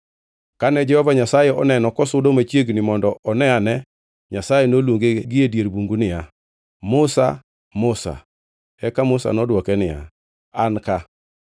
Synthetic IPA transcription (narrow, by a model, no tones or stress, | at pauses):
kanɛd͡ʒɛhɔvaɲasajɛʔɔnɛnɔkɔsʊdomat͡ʃjeɡnɪmɔndɔʔɔnɛanɛ | ɲasajɛnolwoŋɡeɡɪedjeɾbuŋɡunɪja | mʊsa̰ | mʊsa̰ | ɛkamʊsa̰nɔdwɔkɛnɪja̰ | anka